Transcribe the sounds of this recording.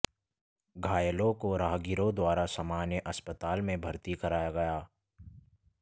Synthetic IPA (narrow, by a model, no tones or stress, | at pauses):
ɡʱaːjəlõkoɾaːɦɡɪɾõd̪waːɾasaːmaːnjəʔɐspət̪aːlmẽbʱəɾt̪ikɐɾaːjaɡɐjaː